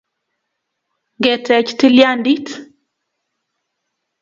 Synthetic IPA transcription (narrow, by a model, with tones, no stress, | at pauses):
ŋɡɛ˨tɛ˨t͡ʃti˦lja˦ndi˦t